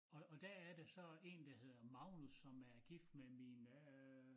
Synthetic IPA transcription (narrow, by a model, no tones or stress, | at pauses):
ɒ̽ːd̥æɐæɐd̥esɒ̽e̝ːnd̥æhe̝ð̞̰ˠɐmɑ̈ʊnusːɒ̽mæɐɡ̥ifd̥memin